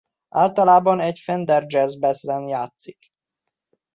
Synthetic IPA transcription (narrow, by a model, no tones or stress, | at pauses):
ʔaːlt̪ɒlaːbɒnɛcfɛnd̪ɛrd͡ʒɛzbɛzːɛnjaːt̪sik